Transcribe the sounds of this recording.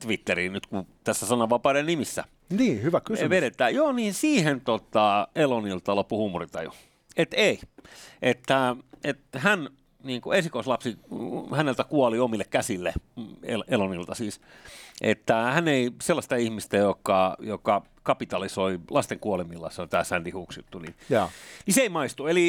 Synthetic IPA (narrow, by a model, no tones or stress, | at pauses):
t̪ʋit̪ːeriːnyt̪kut̪æsːæsɑnɑʋɑpɑːɾennimisːæ̰ | niːhyʋækysʋeɾet̪ˑæːjoːniːnsiːhent̪ot̪ɑelonilt̪ɑlopuhumurit̪ɑ̰jṵ | et̪eiʔet̪ːæet̪hæn | niːŋkuesikoislɑpsihænelt̪ækuɔliomilːekkæsilːeḛlʔelonilt̪ɑsiːsʔḛt̪ːæhæneiselːɑst̪ɑihmist̪æjokːˑɑjokɑ | kɑpit̪ɑlisoilɑst̪eŋkuɑlemilːɑ̰seont̪æːsænd̥̪ihuksjṵt̪ːunḭjniseimɑist̪ueli